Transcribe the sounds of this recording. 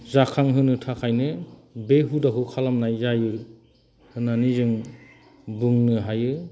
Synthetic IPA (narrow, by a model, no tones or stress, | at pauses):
zakʰaŋɦɯnɯtʰakʰajnɯbeɦudaɦɯkʰalamnajzajɯ | hɯnanizɯŋ | bɯŋnɯɦajɯ